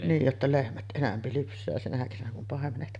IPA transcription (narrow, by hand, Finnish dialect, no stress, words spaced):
niːj jotːɑ lehmæt ʔenæmpi lypsˑæː sinæ kesænæ kum pɑˑemenet